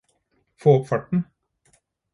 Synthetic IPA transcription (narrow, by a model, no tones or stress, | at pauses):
foːɔpfɑʈɳ̩